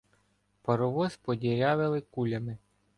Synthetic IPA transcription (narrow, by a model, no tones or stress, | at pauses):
pɐɾɔʋɔzpɔdʲiɾʲɑʋɪlˠɪkulʲɐmɪ